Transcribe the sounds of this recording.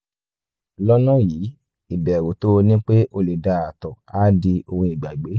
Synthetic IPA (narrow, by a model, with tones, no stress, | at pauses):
lɔ˦nã˦˨ji˨˦ | i˦˨bɛ˨ɾo˨˦to˦˧nĩ˦k͡pe˦ʔo˧le˨da˧˨a˨tɔ˨a˦di˧o˧hũ˧i˨ɡ͡ba˨ɡ͡be˨˦